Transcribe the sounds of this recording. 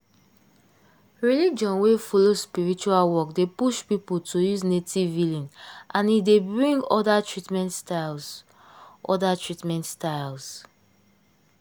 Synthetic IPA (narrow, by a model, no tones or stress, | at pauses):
ɹilid͡ʒɔ̃nwefɔlospiɹit͡ʃualwɔkdepuʃpipultʰojuznetivvilĩnʔãnidebɹĩŋɡɔdatɹitmɛ̃ntstals | ʔɔ̰datɹitmɛ̃ntstaɪls